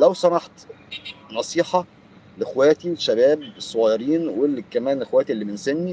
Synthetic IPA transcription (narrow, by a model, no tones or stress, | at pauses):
læwsˤɑnɑħt̪ | nɑsˤiːħɑ | lexwæːt̪iweʃːæbæːb̚sˤːoʕɑjɑɾiːnwelkæmæːnelxowæːt̪iʔelːiːmensenːi